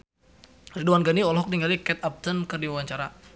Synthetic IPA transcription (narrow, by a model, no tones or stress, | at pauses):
riduanɡaniɔlɦɔk̚niŋɡalikɛt̪ap̚t̪ənkɨrdiwawaɲt͡ʃaɾa